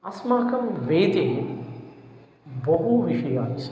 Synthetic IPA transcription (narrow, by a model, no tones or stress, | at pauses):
ɐsmaːkɐmʋeːt̪eɦ | bɐɦuʋiʃiʋaːɦis